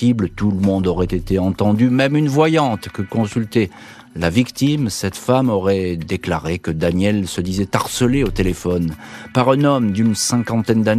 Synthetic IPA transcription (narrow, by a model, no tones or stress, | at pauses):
iblət̪uləmɔ̃d̪oʁɛt̪et̪eɑ̃t̪ɑ̃d̪ymɛmynvwajɑ̃t̪kəkɔ̃sylt̪ɛ | lavikt̪imsɛt̪famɔʁɛd̪eklaʁekəd̪anjɛlsəd̪izɛt̪aʁsəleot̪elefɔnpaʁɛ̃nɔmd̪ynsɛ̃kɑ̃t̪ɛnd̪an